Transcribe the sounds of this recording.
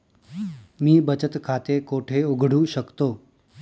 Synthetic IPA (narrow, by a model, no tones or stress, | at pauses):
miːbət͡ɕət̪kʰat̪ekoʈʰeuɡʱɽ̤uːɕəkt̪o